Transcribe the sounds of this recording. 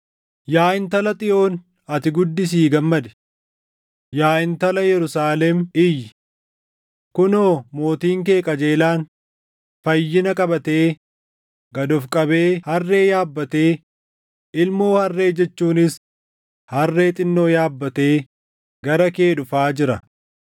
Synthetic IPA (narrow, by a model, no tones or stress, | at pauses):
jaːʔɪnt̪ɐlɐt̪ʼɪʔo̞ːn | ɐt̪ɪɡʊd̪ːɪs̬iːɡɐmːɐd̪ɛ̥ | jaːʔɪnt̪ɐlɐjɛɾʊsaːlɛmɪjːɪ | kʊnoːmo̞ːt̪iːŋkeːkʼɐd͡ʒeːlaːn | fɐjːɪnɐkʼɐbɐt̪e̞ː | ɡɐd̪ɔfkʼɐbe̞ːhɐrːe̞ːjaːbːɐt̪eː | ɪlmoːhɐrːe̞ːd͡ʒɛt͡ʃːuːnɪs | hɐrːe̞ːt̪ʼɪnːo̞ːjaːbːɐt̪eː | ɡɐɾɐke̞ːᶑʊfaːd͡ʒɪɾɐ